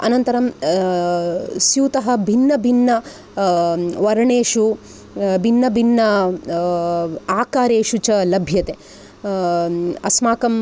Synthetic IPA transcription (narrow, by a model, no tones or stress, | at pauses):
ɐ̰nɐnt̪ɐɾɐm | sjuːt̪ɐɦɐ̆bʱinːɐbʱinːɐ | ʋɐɾɐɳeːʃu | bʱinːɐbʱinːɐ | aːkaːɾeːʃut͡ʃɐlɐbʱjɐt̪e | ɐsmaːkɐm